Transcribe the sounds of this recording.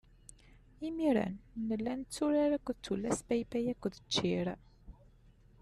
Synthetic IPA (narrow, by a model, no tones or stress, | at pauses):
imiɾæ̰nnəlːænt͡sːuɾaɾækʷːðət͡sːulːæspæjpæjækʷːðət͡ʃːiɾ